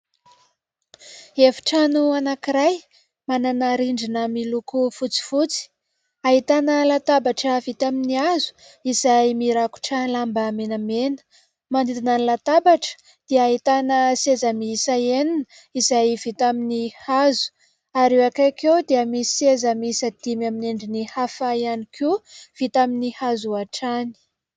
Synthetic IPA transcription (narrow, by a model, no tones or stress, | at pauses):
efi̥ʈ͡ʂanuanakiɾaj | mananaɾiɳɖ͡ʐinəmilukufut͡si̥fut͡si̥ | aɦit̪anəlat̪abaʈ͡ʂəvit̪aminiazu̥ | izajmiɾaku̥ʈ͡ʂəlambamenamenə̥ | manid̪inanilat̪abaʈ͡ʂə̥ | d̪̥eəaɦit̪anəsezəmisaeninə | izajvit̪aminihazu̥ | aɾewakakewd̪eəmisiezəmisəd̪̥imamineɳɖ͡ʐinihafaianikʰuv̥it̪aminihazuaʈ͡ʂani̥